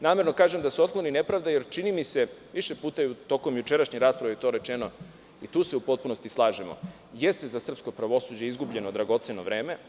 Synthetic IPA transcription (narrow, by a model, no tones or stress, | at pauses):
naːme̞ɾno̞kaːʒe̞md̪asuo̞t̪̚klˠo̞nine̞pɾaːʋd̪aje̞ɾt͡ʃinimise̞ʋiʃe̞puːt̪aut̪o̞ko̞mjut͡ʃeɾaʃɲeɾaːspɾaʋijet̪o̞ɾe̞t͡ʃe̞no̞ | it̪uːse̞upo̞t̪̚puno̞st̪islˠaːʒemo̰ | jest̪ezasr̩pskopɾaʋo̞suːd͡ʑeizɡubʎe̞nod̪ɾaɡo̞t̪seno̞̰ʋɾeːme̞